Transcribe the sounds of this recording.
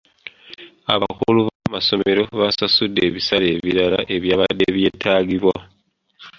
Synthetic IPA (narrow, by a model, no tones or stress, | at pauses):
a̰βakuluβamaso̞me̞ɾo̞βasasudːe̞βisale̞ːβiɾala̰ʔe̞βjaːβadːe̞βje̞ːtʰaːɡiβwa